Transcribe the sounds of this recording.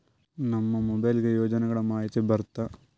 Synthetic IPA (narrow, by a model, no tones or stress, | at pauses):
nɐmːɐmobɐjlɡejoːd͡ʑɐnɐɣɐɭemaːjɐt͡ɕːɐbɐrt̪ːɐ